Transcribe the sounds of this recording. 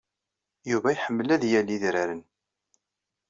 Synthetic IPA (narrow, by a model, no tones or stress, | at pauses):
juvæjħəmːəlæðjælːiðɾaɾən